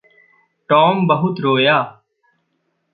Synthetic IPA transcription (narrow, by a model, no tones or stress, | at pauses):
ʈoːmbəɦʊt̪ɾoːjaː